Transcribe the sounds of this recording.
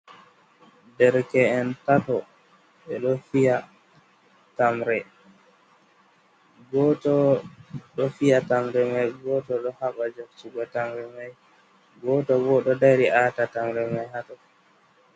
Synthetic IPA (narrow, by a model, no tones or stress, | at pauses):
dɛɾkɛːntatɔ | ɓɛɗɔfija | tamɾɛ | ɡɔtɔ | ɗɔfijatamɾɛmajɡɔtɔɗɔhaɓad͡ʒokt͡ʃiɡɔtamɾɛmaj | ɡɔtɔbɔɗɔdaɾiʔatatamɾɛmajhatɔ